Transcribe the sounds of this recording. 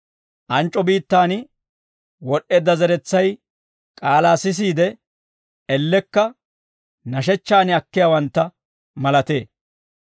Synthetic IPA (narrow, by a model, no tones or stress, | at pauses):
ʔɐnt͡ʃʼːɔbiːt̪ːaːnɪ | wɔɗeːd̪ːɐzɛɾɛt͡sːɐj | kʼaːlaːsɪs̬iːd̪ɛ | ʔɛlːɛkːɐ | nɐʃɛt͡ʃːaːnɪɐkːɪjaːwɐnt̪ːɐ | mɐlɐt̪ḛː